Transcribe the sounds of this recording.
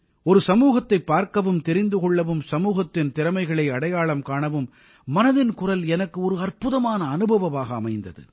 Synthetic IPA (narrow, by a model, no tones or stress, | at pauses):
ɔɾɯsɐmuːɣɐt̪ːɐɪpːaːɾkɐʋɯmt̪ɛɾɪnd̪ɯkɔɭːɐʋɯmsɐmuːɣɐt̪ːɪnt̪ɪɾɐmɐɪɣɐɭɐɪɐɽɐjaːɭɐmkaːɳɐʋɯmː | ɐnɐðɪnkʊrɐlɛnɐkːɯɔɾɯɐrpɯðɐmaːnɐːnɯbʱɐʋɐʋaːɣɐːmɐɪnd̪ɐ̰ðɯ̰